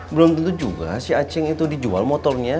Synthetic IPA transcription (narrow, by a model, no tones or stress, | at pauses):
bəlʊmt̪ənt̪̬ud͡ʒuɡa̰siat͡ʃɪŋit̪udid͡ʒua̰lmɔt̪ɔrɲa